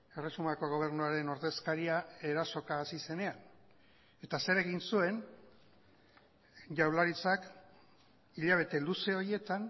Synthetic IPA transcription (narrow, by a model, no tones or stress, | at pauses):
e̞re̞sumako̞ɣ̞o̞β̞e̞ɾnuaɾe̞no̞ɾðe̞skaɾiae̞ɾaso̞kaːsise̞ne̞an | e̞t̪ase̞ɾe̞ɣinsue̞n | ʝawlaɾit͡sak | iʎaβ̞e̞t̪e̞luse̞o̞ie̞t̪an